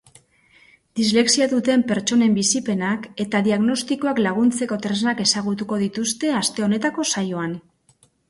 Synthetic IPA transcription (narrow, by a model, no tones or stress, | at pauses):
d̪̥izle̞ksiaðut̪e̞mpe̞ɾt͡ʃo̞ne̞mbisipe̞nake̞t̪aðiaɣno̞st̪iko̞aklaɣ̞unt͡se̞ko̞t̪ɾeznake̞saɣ̞ut̪uko̞ð̞it̪ust̪e̞ast̪e̞o̞ne̞t̪ako̞sajo̞an